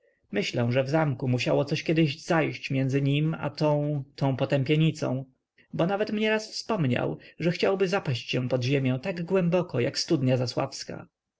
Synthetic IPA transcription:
mɘɕlɛw̃ʐɛvzamkumuɕawɔt̪sɔɕkʲɛd̪ɪʑzajɕt͡ɕmʲjɛnzɘɲima̰t̪ɔ̃w̃t̪ʰɔ̃w̃pɔt̪ɛmpʲjɛɲit̪sɔ̰̃w̃ | bɔnavɛt̪mɲɛɾasfspɔmɲa̰wʐɛxt͡ɕawbɘzapaɕt͡ɕɕɛ̃w̃pɔd̪ʑemʲjɛ̃w̃t̪aɡɡwɛmbɔkɔjakst̪ud̪ɲazaswa̰fska̰

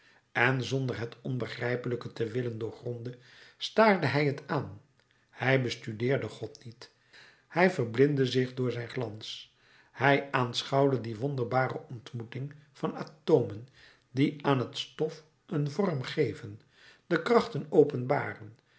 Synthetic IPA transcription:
ɛnzɔndəɹɦətɔnbəχrɛjpələkətəʋɪləndʊːɹχrɔndə | staːɹdəɦɛjɦətaːn | hɛjbəstydɪːɹdəχɔtnit | hɛjvərblɪndəzɪχdʊːɹzɛjnχlɑns | hɛjʔaːnsχɑwdədiʋɔndəɹbaːrəʔɔntmutɪŋv̥ɑnatoːmən | diaːnɦətstɔf | ʔənvɔɹmχejvən | dəkrɑχtənowpənbaːrən

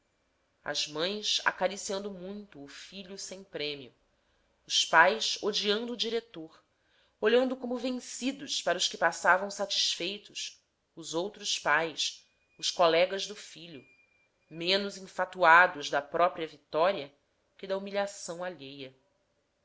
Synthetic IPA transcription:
ɐ̰zmɐ̃j̃sa̰kaɾisiɐ̃nd̪ʊmũj̃t̪ʊːfiʎʊsẽj̃pɾẽmiʊ̰ | ʊspajsod͡ʒiɐ̃nd̪ʊːd͡ʒiɾet̪oɾ | oʎɐ̃nd̪ʊkõmʊvẽŋsid̪ʊʃpaɾɐʊʃkɪpasavɐ̃w̃sat͡ʃi̥ʃfejt̪ʊs | ʊzowt̪ɾʊspajs | ʊʃkolɛɡɐzd̪ʊfiʎʊ | mẽnʊzĩfat̪uad̪ʊzd̪ɐpɾɔpɾiɐvit̪ɔɾiɐ | kʲɪd̪ɐumiʎasɐ̃w̃aʎejɐ

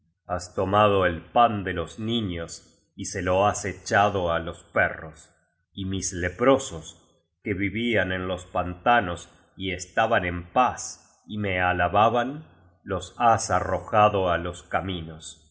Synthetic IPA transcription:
ast̪omaðoelpand̪elozniɲos | iseloaset͡ʃaðoalo̞spɛros | imislepɾo̞sos | keβiβiane̞nlo̞spant̪anos | iest̪aβane̞mpas | imealaβaβan | lo̞sasaroxaðoalo̞skaminos

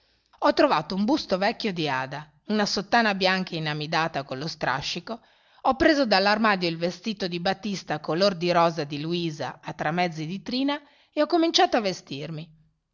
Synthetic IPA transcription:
ɔt̪ːɾovaːt̪oumbust̪ovɛkːjod̪iaːd̪a | unasot̪ːaːnabjaŋkainamid̪aːt̪akolːost̪ɾʔa̰ʃːiko | ɔpːɾeːzod̪alːarmaːd̪joilvest̪iːt̪od̪ibat̪ːist̪akolord̪iɾɔːzad̪iluiːza̰ːt̪ːɾamːɛd̪zːid̪it̪ɾiːna | eɔkːomint͡ʃaːt̪oavest̪irmi

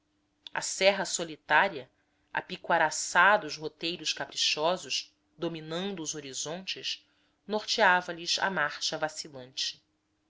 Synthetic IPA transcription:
ɐ̰sɛɦɐsolit̪aɾiɐ | a̰pikwaɾasad̪ɐuzɦot̪ejɾʊʃkapɾiʃɔzʊʃ | d̪ominɐ̃nd̪ʊːzoɾizõnt͡ʃɪʃ | noχt͡ʃeavɐliʃa̰maχʃɐvasilˠɐ̃nt͡ʃɪ̥

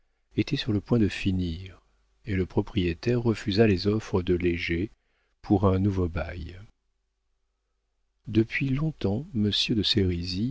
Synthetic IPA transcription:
et̪ɛsyʁləpwɛ̃d̪əfiniʁ | eləpχɔpχijet̪ɛʁːəfyzalezɔfχəd̪əleʒe | pʰuʁɛ̃nuvobaj | d̪əpɥilɔ̃t̪ɑ̃məsjød̪əseʁizi

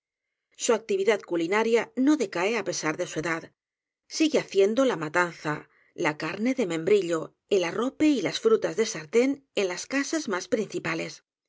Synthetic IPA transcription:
suak̚t̪iβ̞iðaðkulinaɾjano̞ðe̞kaeape̞saɾðe̞sue̞ðað | siɣeaθje̞nd̪o̞lamat̪anθa | lakaɾne̞ðe̞mẽ̞mbɾiʎo̞ | elaro̞peilasfɾut̪azðe̞saɾt̪e̞ne̞nlaskasazmaspɾin̟θipale̞s

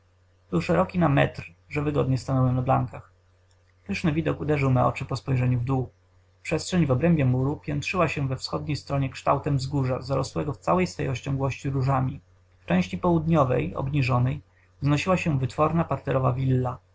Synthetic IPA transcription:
bɘwʂɛɾɔkʲinamɛ̰t̪ɾʐɛvɘɡɔd̪ɲɛst̪anɔwɛnabla̰ŋkax | pɘʂnɘvʲid̪ɔkud̪ɛʐɘwmɛɔ̰t͡ʂɘpɔspɔjʐɛɲuvd̪u | pʂɛstʂɛɲvɔbɾɛmbʲjɛmuɾupʲjɛnt̪ʂɘwaɕɛ̃vɛfsxɔd̪ɲejst̪ɾɔɲɛkʂt̪awt̪ɛmvzɡuʐazaɾɔ̰swɛɡɔft̪sawɛjsfɛ̰jɔɕt͡ɕɔ̃ŋɡwɔɕt͡ɕiɾuʐamʲi | ft͡ʂɛ̃w̃ɕt͡ɕipɔwud̪ɲɔvɛ̰jɔ̰bɲiʐɔnɛj | znɔɕiwaɕɛvɘt̪fɔɾnapaɾt̪ɛɾɔvavʲilːa

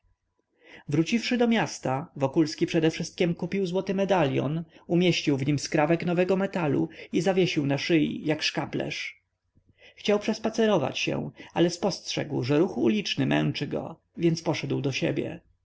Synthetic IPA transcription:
vɾut͡ɕifʂɘd̪ɔmʲjast̪avɔkulskʲipʂɛd̪ɛfʂɘst̪̚kʲɛmkupʲiwzwɔt̪ɘmɛd̪alʲjɔ̰numʲjeɕt͡ɕiwvɲimskɾavɛknɔvɛɡɔmɛt̪alṵizavʲjeɕiwnaʂɘjḭjakʂkaplɛ̰ʂ | xt͡ɕawpʂɛspat̪sɛɾɔva̰t͡ɕɕɛ̰̃alɛspɔstʂɛ̰ɡwʐɛɾuxṵlʲit͡ʂnɘmʔɛ̰w̃t͡ʂɘɡɔ̰ | vʲjɛnt̪spɔʂɛd̪wd̪ɔɕɛ̰bʲjɛ̰

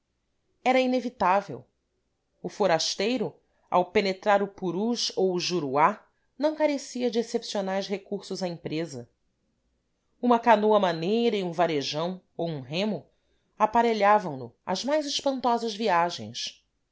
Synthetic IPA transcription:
ɛɾɐinevit̪avḛw | ʊfoɾaʃt̪ejɾʊ | a̰wpenet̪ɾaɾʊpuɾuʃowʒuɾua | nɐ̃w̃kaɾesiɐd͡ʒɪesepsionajsɦekuɾsʊzaẽmpɾezɐ̰ | ũmɐkanoɐmanejɾɐiũvaɾeʒɐ̃w̃ | owũɦẽmʊ | apaɾeʎavɐ̃w̃nʊ̰ɐ̰zmajzɪʃpɐ̃nt̪ɔzɐzviaʒḛ̃j̃s

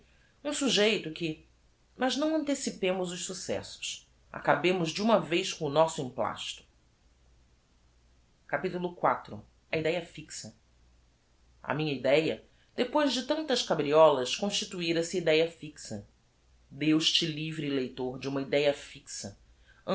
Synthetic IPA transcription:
ũsuʒejt̪ʊkɪ | mɐznɐ̃w̃ɐ̃nt̪esipẽmʊzʊʃsusɛ̰sʊ̥s | a̰kabẽmʊzd͡ʒɪũmɐvejskõʊnɔsʊĩmpla̰ʃt̪ʊ̥ | kapit̪ulʊkwat̪ɾʊ̰ | ɐid̪ɛjɐfiksɐ | ɐ̰mĩɲɐid̪ɛjɐ | d̪̥epojʒd͡ʒɪt̪ɐ̃nt̪ɐskabɾiɔlɐskõʃt͡ʃit̪uiɾɐsɪid̪ɛjɐfiksɐ | d̪ewʃt͡ʃɪlivɾilejt̪oɾd͡ʒɪũmɐid̪ɛjɐfiksɐ | ɐ̃

